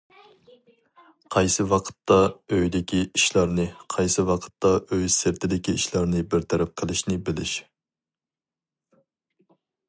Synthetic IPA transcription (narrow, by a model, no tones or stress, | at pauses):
qʰɑjsɨwɑqʰə̥t̪ːɑøjd̪ɪkʲʰiiʃlˠɑɾnɨqʰɑjsɨwɑqʰə̥t̪ːɑʔøjsɪɾt̪ʰɪd̪ɪkʲiiʃlˠɑɾnɨbɪɾt̪ʰɛɾɛp̚qʰəlˠɪʃnɪbɪlɪʃ